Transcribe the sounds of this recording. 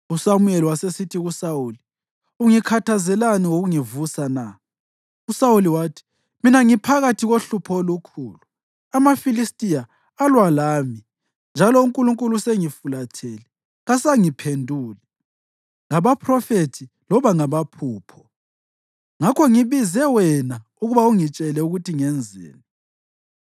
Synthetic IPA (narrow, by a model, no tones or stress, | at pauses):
usamuɛliwasesitʰiɣusawuːli | uŋikʰatʰazɛlaniwoɣuŋivusana | usawuliwaːtʰi̥ | minaŋipʰaɣatʰiɣoɬupʰɔlukʰṵːlu | amafilistʼijaː | lwalaːmi | nd͡ʒʱalɔuŋkʼuluŋkʼuluseŋifulatʰeli | ɣasaŋipʰendʱuːli | ŋaβapʰrɔfetʰi | lɔβaŋaβapʰuːpʰɔ̥ | ŋakʰɔŋiβizɛwɛna | uɣuβauŋit͡ʃʼɛlɛuɣutʰiŋɛnd͡zʱɛ̰ːni